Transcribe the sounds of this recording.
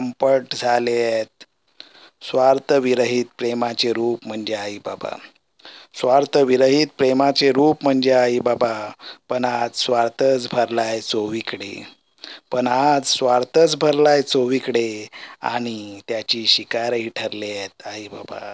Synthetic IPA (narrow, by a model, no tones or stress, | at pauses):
əmpəʈd͡zʱaleet̪̚ | sʋaɾt̪əʋiɾəɦit̪̚pɾemat͡seɾuːpm̤əɳd͡zeaɦibaba̰ | sʋaɾt̪əʋiɾəɦit̪̚pɾemat͡seɾuːpm̤əɳd͡zeaɦibabapəɳad͡zsʋaɾt̪ət͡sbʱəɾlajt͡soʋikɽḛ | pəɳad͡zsʋaɾt̪ət͡sbʱəɾlajt͡soʋikɽea̰ɽ̃it̪jat͡ɕiːɕikaɾɦiʈʰəɾleet̪aɦiba̰ba̰